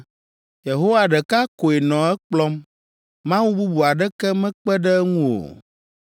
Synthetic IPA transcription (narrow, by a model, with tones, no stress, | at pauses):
je˨ɦo˦wa˨ɖɛ˨ka˦ko˨e˨nɔ̃˨ɛ˦k͡plɔ˦m | mã˦wu˦bu˦bu˨a˨ɖɛ˦kɛ˦mɛ̃˦k͡pɛ˦ɖɛ˦ŋũ˦o̰˨